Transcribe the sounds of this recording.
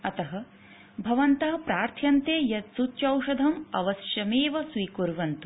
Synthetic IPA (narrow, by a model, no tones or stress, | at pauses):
ɐt̪ɐɦɐ̆ | bʱɐʋɐnt̪ɐɦɐ̆pɾaːɾt̪ʰjɐnt̪eːjɐt̪sut̪t͡ʃɐwʃɐd̪ʱɐmɐ̰ʋɐsjɐmeːʋɐsʋiːkuɾʋɐnt̪u